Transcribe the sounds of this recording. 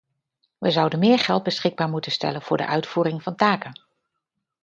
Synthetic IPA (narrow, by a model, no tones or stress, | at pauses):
ʋəzʌwdənmɪːɹχɛlˠd̚bəsχɪɡ̚baːɹmutənstɛ̰lənv̥ʊːɹdə̰ʔœɥtfuːɾɪŋv̥ɑntaːkən